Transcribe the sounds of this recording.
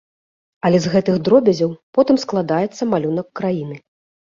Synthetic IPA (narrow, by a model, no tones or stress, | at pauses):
ɐlʲɛzɣɛt̪ɨxd̪ɾɔbʲɐzʲɐwpɔt̪ɨmsklˠad̪ajɛt̪sːɐmalʲunɐkːɾajin̪ɨ